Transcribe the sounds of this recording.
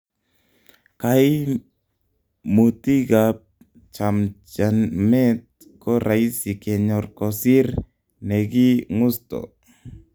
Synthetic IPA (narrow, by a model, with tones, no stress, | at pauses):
ka˨i˦ | mu˨t̪i˦ɡap̚ | t͡ʃa˨mt͡ʃa˨nmɛ˦t̪̚ | kɔ˦ɾʔa˨i˦si˨kɛ˨ɲɔ˨rkɔ˨si˦ɾ | nɛ˨ɡi˦ŋʊ˦stɔ̰˨